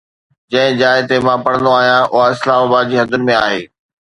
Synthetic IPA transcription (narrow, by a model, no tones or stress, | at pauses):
d͡ʑɐ̃ɦɪ̃d͡ʑaːɪt̪emãpɐɽə̃nd̪oaːɦijãʔʊɦaɪslaːmaːbaːd̪̚d͡ʑiːɦɐd̪ʱʊnmẽaːɦeː